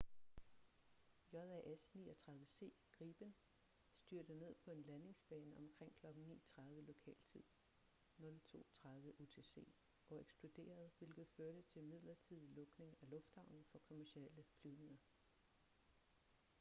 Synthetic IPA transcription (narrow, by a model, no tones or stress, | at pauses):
jɒ̽ðˠæʔesnḭːɐt͡sʰʁɑ̈ðˠʋəse̝̰ːɡ̥ʁiːb̥ən | sd̥yɐd̥əne̝ð̞̰ˠpʰɒ̽e̝nlæne̝ŋsb̥ɛːnɒ̽mkʰʁeŋ̰kʰlɒ̽ɡ̥ŋ̩nḭːt͡sʰʁɑ̈ð̞ˠʋəlo̝kʰɛ̰ːlt͡sʰið̞̰ˠ | nɔ̽lt͡sʰo̝̰ːt͡sʰʁɑ̈ð̞ˠʋəʔo̝t͡sʰe̝se̝̰ː | ʔɒ̽eɡ̥sb̥lo̝d̥e̝̰ːɐð̞ˠʋe̝lɡ̥ð̩ˠføːɐɾət͡sʰe̝lmið̞̰ˠlɐt͡sʰið̰ˠilɔ̽ɡ̥ne̝ŋælɔ̽fd̥hɑ̈ʊ̰n̩ˠfɒ̽kʰo̝mæɐsieləfʰlyʊne̝ŋɐ